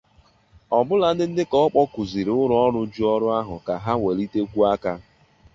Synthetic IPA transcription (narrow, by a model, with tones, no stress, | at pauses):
ɔ˨bʊ˦la˦dɪ˦n̩˦dɪ˦kɔ˦ɔ˦k͡pɔ˦ku˨zi˨ɾʊ˦ɾʊ˨˦ɔ˦ɾʊ˦d͡ʒu˦ɔ˦ɾʊ˦a˦ɦʊ˨ka˨ɦa˦we˨li˦te˦kʷu˦a˦ka˦